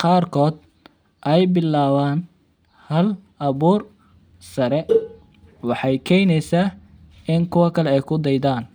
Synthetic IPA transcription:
qɑːrkʰɔːd̪ | ʔɛjbɪlːaːβaːn | hɐlʔɐβuːr | sɐɾɛ | wɑħɑjkʰɛjnɛjsa | ʔɪŋkʰʊwɐkʰɐlɛɛjkʰʊd̪ɛjd̪aːn

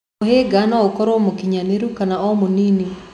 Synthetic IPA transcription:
oɦeɡanɔokɔɾomokiɲaneɾukanaɔmonini

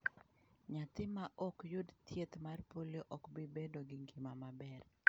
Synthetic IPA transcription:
ɲat̪ɪmaʔɔkjʊdt̪jet̪marpoljoʔɔkbibedoɡɪŋɡimamabɛr

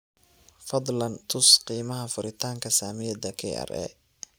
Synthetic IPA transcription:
fɑd̪ˤlɐnt̪ʰʊsqiːmɐɦɐfʊɾɪt̪ʰaːŋkʰɐsaːmɪjɐd̪ɐkʰɛ̰ʔɐ̰rɛ̰ː

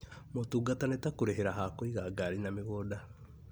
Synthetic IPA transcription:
motuːɡatanetakoɾeɦeɾaɦakoiɣaɡaɾinameɣoːda

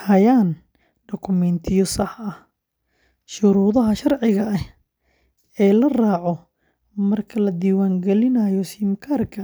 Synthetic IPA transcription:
hɐjaːn | ɖɔkʰʊmɛnt̪ʰɪjɔsɐħɐh | ʃʊɾuːðɐɦɐʃɐrʕɪɣɐɐh | ɛːlɐraːʕɔ | mɐrkʰɐlɐd̪iːwaːŋɡɛlɪnɐjɔsɪmkʰaːrkʰɐ

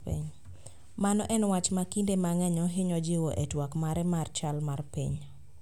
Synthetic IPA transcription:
ḭɲ | manɔʔɛnwat͡ʃmakindemaŋɛɲɔɦɪɲɔd͡ʒɪwɔʔetwakmaɾɛmart͡ʃalmarpḭɲ

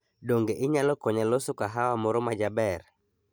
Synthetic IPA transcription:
doŋɡeʔɪɲalɔkɔɲalosʊkaɦawamɔɾɔmad͡ʒabɛr

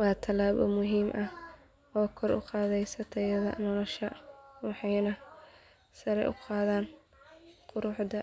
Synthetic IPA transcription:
wɑːt̪ʰɐlaːbɔ̰mʊɦiːmʔɐh | ʔɔːkʰɔɾʔʊ̰qɑːðɛjsɐt̪ʰɛjɐðɐ̰nɔlɔʃɐwɑħɑjnɐ | sɐɾɛjʔʊ̰qɑːðaːn | qʊɾʊħd̪ɐ

